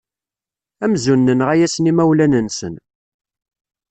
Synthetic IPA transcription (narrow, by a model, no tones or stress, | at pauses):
æmzunːənʁæjæsnimæwlænənsən